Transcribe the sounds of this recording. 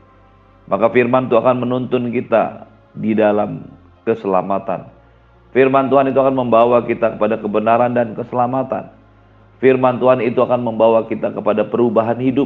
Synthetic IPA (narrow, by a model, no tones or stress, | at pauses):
mʔakafirmant̪uakanmənunt̪ʊnkit̪a̰ | didalam | kəsəla̰mat̪a̰n | firmant̪uɦanit̪uakanməmbawakit̪akəpadakəbənaɾandankəsəlamat̪a̰n | firmant̪uɦanit̪uakanməmbawakit̪akəpadapəɾubaɦanhidʊ